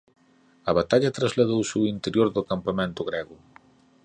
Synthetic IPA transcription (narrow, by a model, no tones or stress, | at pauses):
ɐβ̞at̪aʎɐt̪ɾazlaðowsɪuint̪eɾjoɾðʊkampamẽnt̪ʊɣɾɛɣʊ